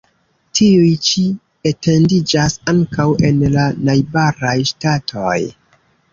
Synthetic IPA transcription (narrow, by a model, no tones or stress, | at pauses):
tʰiujt͡ʃi | ete̞ndid͡ʒasaŋkawe̞nlanajbaɾajʃtatʰo̞̰j